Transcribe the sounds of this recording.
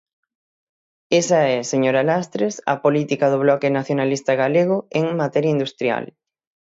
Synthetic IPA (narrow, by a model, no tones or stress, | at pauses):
esɐɛseɲoɾalast̪ɾesɐ̰polit̪ikɐðʊβlɔkɪnaθjonalist̪ɐɣaleɣ̞ʊeŋmat̪ɛɾjaind̪ust̪ɾja̰l